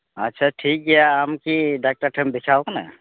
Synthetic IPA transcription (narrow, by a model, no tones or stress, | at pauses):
atːʃʰaʈʰik̚ɡɛjaːmkiɖak̚ʈaɾʈʰɛmbit͡ʃʰaokana̰